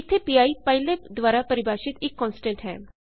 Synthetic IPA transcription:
ɪt̪ʰːeːpiːaːipəɪ̃led̪ʋaːɾapəɾɪbaːʃɪt̪ɪkːɔːnsʈɛ̃ɳʈɦɛ̰ː

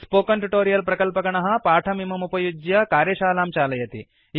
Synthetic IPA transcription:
spoːkɐɳʈuʈoːɾijɐlpɾɐkɐlpɐkɐɳɐɦɐ̆paːʈʰɐmimɐmupɐjud͡ʒjɐkaːɾjɐʃaːlaːmt͡ʃaːlɐjɐt̪ḭ | j

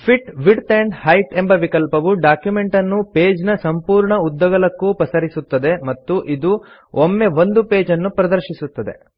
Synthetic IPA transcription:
pʰiʈʋiɖt̪eɳɖhɐjʈembɐʋikɐlpɐʋuɖaːkjume̞ɳʈɐnːupeːd͡ʒnɐsɐmpuːɾɳɐud̪ːɐɡɐlɐkːupɐsɐɾisut̪ːɐd̪e̞mɐt̪ːuʔid̪u | omːe̞ʋo̞nd̪upe̞ːd͡ʒɐnːupɾɐd̪ɐɾʃisut̪ːɐd̪e̞̰

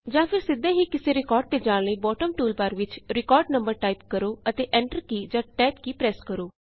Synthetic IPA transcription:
d͡ʒãːpʰɪɾsɪd̪ẽːɦiːkɪseːɾɪkɔːɾɖ̚t̪eːd͡ʒãːɽ̃ləiːbɔːʈəmʈuːlpəɾʋɪt͡ʃɾɪkɔːɾɖnəmbəɾʈaːip̚kəɾoːət̪eːʔɛ̃ːɳʈəɾkiːd͡ʒãːʈɛːpkiːpɾɛːskəɾoː

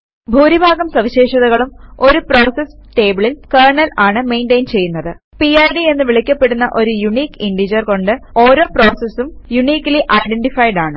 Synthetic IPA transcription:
bʱuːɾibʱaːɡɐmsɐʋiɕe̞ːʂɐðɐɣɐɭumo̞ɾupro̞ːsesʈe̞ːbɨɭilkeːrɳɐlaːɳɨme̞ːnɖejnt͡ɕe̞jːunːɐðɨ | piajɖie̞nːɨʋiɭikʲːɐpːe̞ɽunːɐʔo̞ɾujuɳiːkiɳɖid͡ʑɐrko̞ɳɖɨo̞ːɾo̞ːpro̞ːsesumjuɳiːkːɐliʔɐjɖeɳɖifɐjɖaːɳɨ

